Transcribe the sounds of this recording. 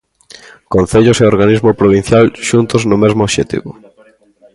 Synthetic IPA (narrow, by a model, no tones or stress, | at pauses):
konθeʎoseoɾɣanizmopɾoβin̟θjalʃunt̪ʊznʊmezmʊoʃet̪ḭβʊ